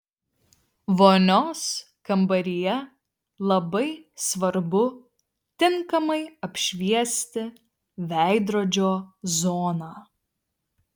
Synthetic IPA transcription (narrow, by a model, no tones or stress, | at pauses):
ʋoːnʲoːs | kɐmbɐɾʲijɛ | lˠɐbɐɪsʋɐɾbʊ | t̪ʲɪŋkɐmɐɪɐpʲʃʲʋʲiɛsʲt̪ʲɪ | ʋʲæˑɪd̪ɾoːd͡ʒʲoːzoːnaː